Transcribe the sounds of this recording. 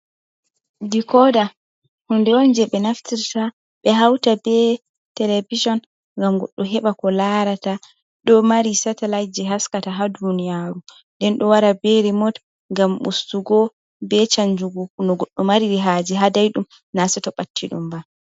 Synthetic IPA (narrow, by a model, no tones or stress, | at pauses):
dikɔda | hundɛɔnd͡ʒɛɓɛnaftiɾta | ɓɛɦawtabɛ | tɛlevid͡ʒɔn | ŋɡamɡɔ̰ɗːɔɦɛɓakɔlaɾata | ɗɔmaɾisatalajd͡ʒɛɦaskataɦadunijaːɾu | dɛnɗɔwaɾabeɾimɔt | ŋɡamʔṵstuɡɔ | bɛt͡ʃaɲd͡ʒuɡukunɔɡɔɗːɔmaɾiɾiɦaːd͡ʒɛɦadajɗum | nasɛtɔɓatːiɗṵmba